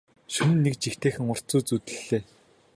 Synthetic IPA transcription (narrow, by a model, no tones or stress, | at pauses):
ʃunɘ̆nːekt͡ɕixt̪eːxɘ̆ŋʊr̥t͡suːt͡sut̪ɘ̆ɮːeː